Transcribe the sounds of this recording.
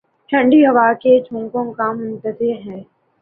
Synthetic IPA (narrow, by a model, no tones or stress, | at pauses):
ʈʰɐ̃ɳɖiɦɐʋaked͡ʒʱũːŋkõkamʊ̃nt̪əzɪɾɦɛː